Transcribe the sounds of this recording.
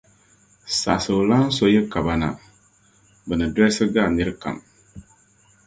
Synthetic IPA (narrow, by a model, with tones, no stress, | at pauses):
sa̰˨sɨ˨o˨laː˦n̩˦so˦jɛ˦ka˨ba˨na̰˨ | bɨ˨nɨ˨dɛ˦sɨ˦ɡaː˦˨nɨ˦ɾɨ˦ka̰˨m